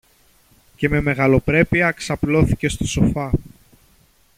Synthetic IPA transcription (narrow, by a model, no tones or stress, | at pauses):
ce̞me̞me̞ɣɐlo̞pɾe̞piɐksɐplo̞θice̞st̪oso̞fɐ